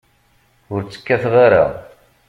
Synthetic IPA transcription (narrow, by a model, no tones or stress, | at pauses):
ʊɾt͡sːə̥kːæθʁaɾa̰